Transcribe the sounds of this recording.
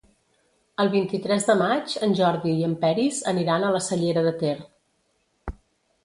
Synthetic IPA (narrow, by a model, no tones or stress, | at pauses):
əlˠβ̞int̪it̪ɾɛzðəmad͡ʒənʲʒɔɾðiːəmpɛɾizəniɾanələsəʎeɾəðət̪er